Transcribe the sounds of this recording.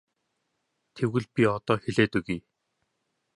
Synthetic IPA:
t̪ʰewɣɘ̆ɮpʲiɔt̪ɔːxeɮeːt̪ɵɣiː

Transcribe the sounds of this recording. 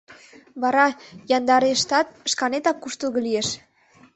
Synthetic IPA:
βɑɾɑjɑnd̪ɑɾeʃt̪ɑt̪̚ʃkɑnet̪ɑkːuʃt̪əlɣɤlieʃ

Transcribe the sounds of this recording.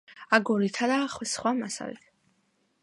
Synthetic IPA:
aɡɔɾit̪ʰad̪aχwɛsχwamasa̰lḭt̪ʰ

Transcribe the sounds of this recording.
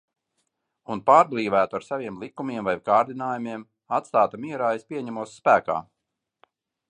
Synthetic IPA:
unpaːɾblˠiːvæːt̪uaɾsavʲiɛmlˠikumiɛmvajkaːɾd̪inaːjumiɛm | at̪st̪aːt̪amiɛɾaːespʲiɛɲæmuɔsːpæːka̰ː

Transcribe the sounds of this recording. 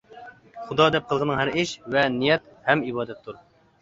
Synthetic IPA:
χud̪ɑd̪ɛp̚qʰəlˠʁənəŋɦæɾɪʃvɛnijɛt̪̚ | hɛmibɑːd̪ɛt̪ʰːuɾ

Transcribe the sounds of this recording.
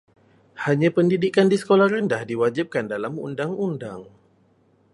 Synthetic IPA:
haɲãpəndidikandisə̥kolahrəndahdiwad͡ʒip̚kandalamṵndaŋundaŋ

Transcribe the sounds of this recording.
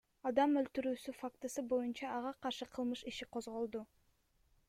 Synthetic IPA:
ɑd̪ɑmølt̪yɾyːsyfakt̪ɨsɯbo̞junt͡ʃɑːʁɑqʰɑɾʃɯqʰɯlˠmɯʃiʃiqʰozʁo̞lˠd̪u

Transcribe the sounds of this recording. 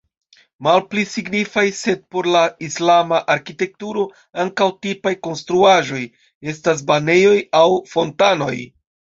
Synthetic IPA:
malplisiɡnifajse̞d̚po̞ɾlaislamaʔaɾkite̞k̚tuɾo̞ | aŋkawtipajko̞nst̪ɾuaʒo̞j | e̞stas̬bane̞jo̞jawfo̞ntano̞̰j

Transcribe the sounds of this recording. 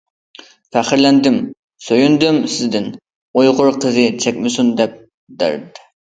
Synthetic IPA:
fæχɪɾlɛnd̪ɪm | søjynd̪ymsɪzd̪ɪn | ojʁʊɾqʰəzɨt͡ʃʰɛkʲmɪsund̪ɛp̚ | d̪æ̰ɾd̪ɪ

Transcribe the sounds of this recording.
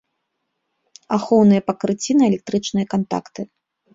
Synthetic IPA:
axɔwnɨjɐpɐkɾɨt͡sʲinɐɛlʲɛk̚t̪ɾɨt͡ʂnɨjɐkant̪a̰kt̪ɨ

